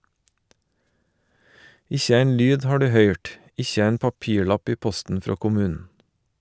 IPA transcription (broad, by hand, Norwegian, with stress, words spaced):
ˈɪçə ˈæɪn ˈlyːd ˈhɑː ˈɖʉː ˈhœʏʈ ˈɪçə ˈæɪn pɑˈpiːˌɭɑp ˈiː ˈpɔstn̩ ˈfɾoː kʊˈmʉːnn̩